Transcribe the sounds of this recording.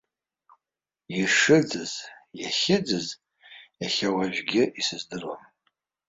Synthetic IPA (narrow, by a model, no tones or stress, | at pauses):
iʂɨd͡zɨzjaχʲɪd͡zɨz | aχʲawaʒᶣɡʲɪisɨzdɨrwa̰m